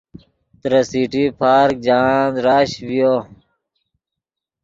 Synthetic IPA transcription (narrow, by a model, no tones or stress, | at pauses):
t̪ɾɐsiːʈipʰaːɾk̚d͡ʑaːnd̪ɾaːɕbijoː